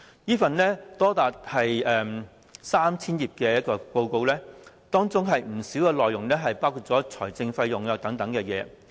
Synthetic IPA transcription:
jiː˥fɐ˨nlɛː˥t̪ɔː˥t̪aː˨t̚hɐ˨jɛː˨m | saː˥mt͡sʰiː˥njiː˨p̚kɛː˧jɐ˥t̚kɔː˧po˧wko˧wlɛː˥ | t̪ɔː˥ŋt͡sʊ˥ŋɦɐ˨jm̩˨˩siː˨˥wkɛː˧lɔː˨jːʊ˨˩ŋlɛː˥ɦɐ˨jpaː˥wkʰuː˧˩t̚t͡sɔː˨˥t͡sʰɔ̰ː˨˩jt͡sɪ˧ŋfɐ˧jːʊ˨˩ŋjɔː˨k̚t̪ɐ˨˥ŋt̪ɐ˨˥ŋkɛː˧jɛː˨˧

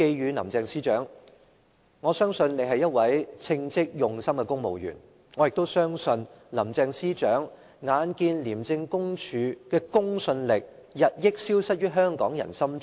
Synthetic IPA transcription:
ke˧jɥyː˨˧nɐ̰˨˩mt͡sɛː˧ŋsiː˥t͡ʃœː˨˥ŋ | ŋɔː˨˧sœː˥ŋsɵ˧nne˨˧jɦɐ˨jɐ˥t̚wɐ˨˥jt͡sʰɪ˧ŋt͡sɪ˥k̚jʊ˨ŋsɐ˥mkɛː˧kʊ˥ŋmo˨wjyː˨˩n | ŋɔː˨˧jɪ˨k̚t̪o˥wsœː˥ŋsɵ˧n | lɐ˨˩mt͡sɛː˧ŋsiː˥t͡ʃœː˨˥ŋ | ŋaː˨˧nkiː˧nliː˨˩mt͡sɪ˧ŋkʊ˥ŋt͡ʃʰyː˨˧kɛː˧kʊ˥ŋsɵ˧nlɪ˨k̚jɐ˨t̚jɪ˥k̚siː˥wsɐ˥t̚jyː˥ɦœː˥ŋkɔː˨˥ŋjɐ̰˨˩nsɐ˥m

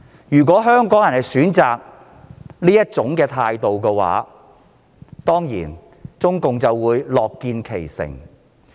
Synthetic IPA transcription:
jyː˨˩kʷɔː˨˥ɦœː˥ŋkɔː˨˥ŋjɐ˨˩nhɐ˨˩jsyː˨˥nt͡saː˨k̚ | niː˥jɐ˥t̚t͡sʊ˨˥ŋkɛː˧t̪ʰaː˧jt̪o˨wkɛ˧wa̰ː˨˥ | t̪ɔː˥ŋjḭː˨˩n | t͡sʊ˥ŋkʊ˨ŋt͡sɐ˨wːuː˨˧jlɔː˨kːiː˧nkʰe˨˩jsɪ̰˨˩ŋ

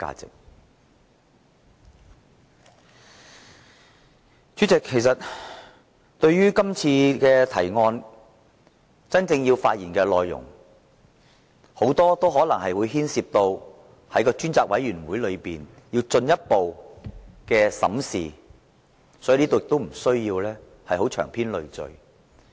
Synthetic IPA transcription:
ka̰ː˧t͡sɪ̰˨k̚ | t͡sy˨˥t͡sɪ˨kʰːe˨˩jsɐ˨t̚ | t̪ɵ˧ɥɥyː˥kɐ˥mt͡sʰiː˧kɛː˧t̪ʰɐ̰˨˩jŋɔː˧n | t͡sɐ˥nt͡sɪ˧ŋjiː˧wfaː˧t̚jiː˨˩nkɛː˧lɔː˨jːʊ̰˨˩ŋ | ho˨˥wt̪ɔː˥t̪o˥whɔː˨˥lɐ˨˩ŋhɐ˨jwuː˨˧jɦiː˥nsiː˧p̚t̪o˧w | hɐ˨˥jkɔː˧t͡ʃyː˥nt͡saː˧k̚wɐ̰˨˥jɥyː˨˩nwuː˨˥jlɵ˨˧ɥpiː˨n | jiː˧wt͡sɵ˧njɐ˥t̚po˨w | kɛː˧sɐ̰˨˥msiː˨ | sɔ˨˥i˨˧li˥t̪o˨˧jɪ˨kt̪o˥wm̩˨˩sɵ˥ɥjiː˧wlɛː˥ | hɐ˨jɦo˨˥wt͡ʃʰœː˨˩ŋpʰiː˥nlɵ˨˧ɥt͡sɵ̰˨˧ɥ

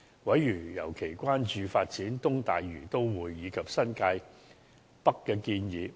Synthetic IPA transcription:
wɐ˨˥jɥy˨˩jɐ˨˩wkʰe˨˩jkʷaː˥nt͡ʃyː˨˧faː˧t̚t͡siː˨˥nt̪ʊ˥ŋt̪aː˨jːyː˨˩t̪o˥wwuː˨˧jːiː˨˧kʰɐ˨p̚sɐ˥nkaː˧j | pɐ˥kːɛː˧kiː˧njiː˨˧

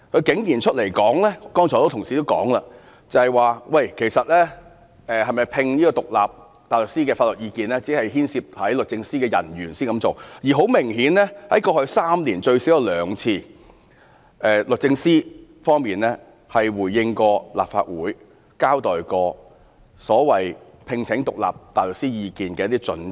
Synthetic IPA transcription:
kʰɵ˨˧kɪ˨˥ŋjiː˨˩nt͡ʃʰɵ˥t̚le˨˩jkɔː˨˥ŋlɛː˥kɔː˥ŋt͡ʃʰɔː˨˩to˥t̪ʰʊ˨˩ŋsiː˨t̪o˥wkɔ̰ː˨˥ŋlaː˧ | t͡sɐ˨hɐ˨˩jwaː˨wɐ˧jkʰe˨˩jsɐ˨t̚lɛː˥ | ɛː˨˩hɐ˨jmɐ˨jpʰɪ˧ŋliː˥kɔː˧t̪ʊ˨k̚la̰ː˨p̚ | t̪aː˨jlʊ˨k̚siː˥kɛː˧fa˧lɵ˨t̚jiː˧kiː˨˧nlɛː˥t͡si˨˥hɐ˨jhiː˥nsiː˧p̚hɐ˨˥jlʊ˨k̚t͡sɪ˧ŋsiː˥kɛː˧jɐ̰˨˩njyː˨˩nsiː˥nkɐ˨˧˥mt͡so˨wjiː˨ɦo˨˥wmɪ˨˩ŋhiː˨˥nlɛː˥hɐ˨˥jkɔː˧hɵ˧ɥsaː˥mliː˨˩nt͡ʃɵ˧ɥsi˨˥wjɛ˧lœː˨˧ŋt͡sʰiː˧ | ʔɛː˨lɵ˨k̚t͡sɪ˧ŋsiː˥fɔː˥ŋmiː˨˩nlɛ˥ | hɐ˨jwuː˨˩jːɪ˧ŋkɔː˧la̰ː˨pfa̰ː˧t̚wṵː˨˥j | kaː˥wt̪ɔː˨jkɔː˧ | sɔː˨˥wɐ˨j | pʰɪ˧ŋt͡sʰɪ˨˥ŋt̪ʊ˨k̚la̰ː˨˩p̚t̪aː˨jlʊ˨ksiː˥jiː˨˧kiː˨nkɛː˧jɐ˥t̪iː˥t͡sɵ̰˨˥n

